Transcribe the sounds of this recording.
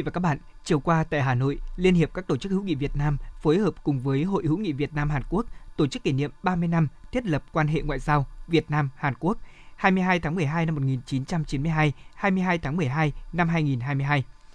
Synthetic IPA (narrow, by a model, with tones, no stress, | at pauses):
va˨˩kːa˦˥ɓa̰ː˧˨n | t͡ɕi˨˩əwkwaː˧t̪a̰ː˧˨jɦaː˨˩no̰˧˨jli˧ənhi˨˩əp̚kaː˦˥k̚t̪o˧˩t͡ɕɨ˦˥k̚hɨ̰˧˥ŋḭ˧˨vi˨˩ət̚naː˧mfo˨˦jhəː˨˩p̚kʊ˨˩ŋ͡mvəː˨˦jɦo̰˧˨jhɨ̰˧˥ŋḭ˧˨vi˨˩ət̚naː˧mhaː˨˩nku˦˥ək̚t̪o˧˩t͡ɕɨ˦˥kːi˧˩nḭ˧˨əmɓaː˧mɨ˧əjna˧mt̪ʰi˦˥ət̚lə˨˩p̚kwaː˧nɦḛ˧˨ŋwa̰ː˧˨jzaː˧wvi˨˩ət̚naː˧mhaː˨˩nku˦˥ək̚haː˧jmɨ˧əjɦaː˧jt̪ʰaː˨˦mɨ˨˩əjɦaː˧jna˧mːo˨˩t̚ŋi˨˩nt͡ɕi˨˦nt͡ɕa˧mt͡ɕi˨˦nmɨ˧jɦaː˧jhaː˧jmɨ˧jɦaː˧jt̪ʰaː˨˦ŋmɨ˨˩əjɦaː˧jna˧mɦaː˧jŋi˨˩nɦaː˧jmɨ˧jɦaː˧j